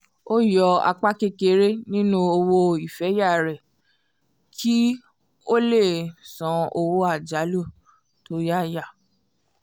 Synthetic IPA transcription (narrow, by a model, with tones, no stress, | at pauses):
o˦jɔ˧a̰˧k͡pa˦ke˦ke˧ɾe˦nĩ˦nũ˦o˧wo˧i˨fɛ˨˦ja˦˨ɾɛ˨ | kʰi˦ | o˦le˦˨sã˨˦o˧wo˦a˦˨d͡ʒa˨˦lu˦˨ | to˨˦ja˦˨ja˦˨